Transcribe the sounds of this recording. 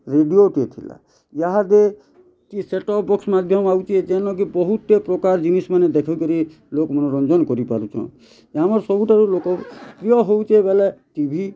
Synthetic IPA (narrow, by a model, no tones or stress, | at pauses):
ɾeɖioʈet̪ʰḭla̰ | jaɦad̪e | kiseʈɔpʰbɔksmad̪ʱjɔmawt͡ʃʰed͡ʒɛnɔ̃k̬ibɔɦut̪ːepɾɔkaɾd͡ʒinismaned̪ekʰɔkɔɾi | lokmɔnɔɾɔnd͡ʒɔnkɔɾipa̰ɾut͡ʃʰɔ̰̃ | amɔɾsɔbuʈaɾulokɔpɾijɔɦowt͡ʃebeleʈibʱi